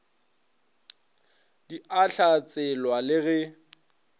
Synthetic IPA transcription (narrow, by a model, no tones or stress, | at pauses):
diaɬat͡sʼɛlwalɪɣɛ